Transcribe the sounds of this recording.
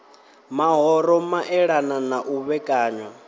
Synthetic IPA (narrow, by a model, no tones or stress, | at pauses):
maɦɔɾɔmaʔɛɺananaʔuβɛkʼaːɲwa